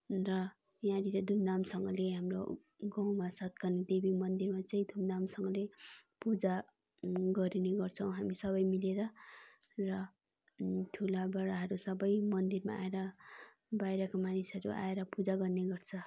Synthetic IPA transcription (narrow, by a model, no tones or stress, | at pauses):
rʌ | jãɾiɾʌd̪ʱumd̪amsʌŋɡʌleɦamro̰ | ɡʌw̃masʌt̪̚kʌrnid̪ebimʌnd̪irmat͡sʌĩd̪ʱumd̪amsʌŋɡʌlepud͡za | ɡʌɾineɡʌrt͡sʰʌw̃ɦamisʌβʌjmileɾʌ | rʌ | t̪ʰulabʌɾaɦʌɾusʌbʌjmʌnd̪irma̰a̰eɾʌ | bajɾʌkomanisɦʌɾuʔa̰eɾʌpud͡zaɡʌrneɡʌrt͡sʰʌ